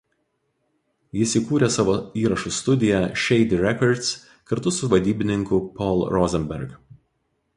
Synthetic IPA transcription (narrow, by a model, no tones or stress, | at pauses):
jɪsʲiːkuːɾʲesɑːʋoːiːɾɐʃʊst̪ʊd̪ʲɪjɛʃʲɛɪd̪ʲɪɾʲɛkɔɾt̪s | kɐɾt̪ʊsʊʋɐd̪ʲiːbʲɪnʲɪŋkʊpɔlˠɾɔzʲɛmʲbʲɛɾɡ